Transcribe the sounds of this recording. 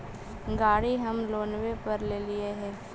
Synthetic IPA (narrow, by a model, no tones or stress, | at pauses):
ɡaːɽiɦɐmloːnwepɐɾleːlɪeɦɛ̃ː